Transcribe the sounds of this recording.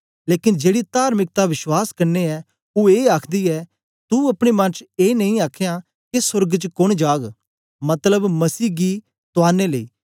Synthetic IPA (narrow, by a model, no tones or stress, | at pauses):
leːkɪnd͡ʒeːɽit̪aːɾmɪk̚t̪aʋɪʃwaːskɐɾneɛː | ueːaːkʰd̪iɛː | t̪uɐpɽ̃emɐ̃nt͡ʃeːnɐĩaːkʰejã | kesʊɾɡt͡ʃəkʊɽ̃d͡ʒaːɡ | mɐt̪ləbmɐsiːɡi | t̪ʊaːnelɐḭː